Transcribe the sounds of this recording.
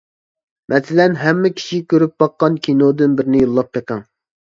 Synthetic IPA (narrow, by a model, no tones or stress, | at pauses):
mʔɛsɪlɛnɦɛmːɪkʲʰi̥ʃikʲʰøɾyp̚bɑqːɑnkʲʰinod̪ɨnbɪɾnɪjolˠːɑp̚pɛkɛŋ